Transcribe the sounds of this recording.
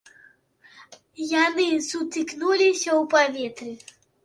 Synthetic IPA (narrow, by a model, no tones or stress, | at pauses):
janɨsut̪ɨknulʲisʲɐwpavʲɛt̪ɾɨ